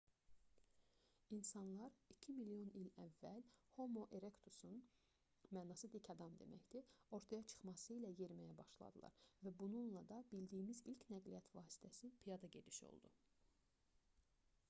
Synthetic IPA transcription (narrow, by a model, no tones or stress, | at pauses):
insɑnlˠɑɾicʰimilijo̞nilævːælho̞moʔeɾe̞kt̪ʰusun | mæːnɑsɯd̪icʰɑd̪ɑmd̪e̞̰mæ̰çd̪io̞ɾt̪ʰɑjɑt͡ʃʰɯ̥χmɑsɯilæje̞ɾmæjæbɑ̰ʃlˠɑ̰d̪ɯlˠɑ̰ɾvæbununlˠɑd̪ɑbild̪ijːmizilcʰnæɡlijæt̪ʰvɑːsi̥t̪ʰæsipʰijɑd̪ɑɟe̞d̪iʃo̰lˠd̪ṵ